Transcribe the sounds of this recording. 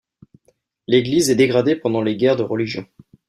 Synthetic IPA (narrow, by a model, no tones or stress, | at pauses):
leɡlizɛd̪eɡʁad̪epɑ̃d̪ɑ̃leɡʲɛʁd̪əʁəliʒjɔ̃